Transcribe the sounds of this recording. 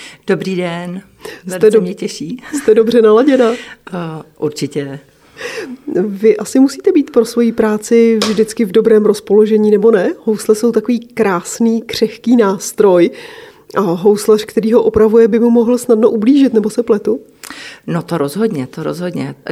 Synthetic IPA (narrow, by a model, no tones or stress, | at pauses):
d̥obɾiːdɛn | sɛt̪ɛdmɲɛcɛʃiːst̪ɛdo̞br̝ɛnalaɟɛnaː | ʔuɾt͡ʃɪcɛ | vɪʔasɪmusiːt̪ɛbiːt̪pɾo̞svo̞jiːpɾaːt͡sɪvʒdɪt͡skɪvdo̞bɾɛːmɾospo̞lo̞ʒɛɲiːnɛbo̞nɛho̞wslɛso̞wt̪akoviːkɾaːsniːkr̝̥ɛxkiːnaːst̪ɾo̞j | ʔaɦo̞wslar̥kt̪ɛɾiːɦo̞ʔopɾavujɛbɪmumoɦl̩snadno̞ʔubliːʒɪt̪nɛbo̞sɛplɛt̪u | not̪oɾozɦodɲɛt̪oɾo̰zɦodɲɛ̰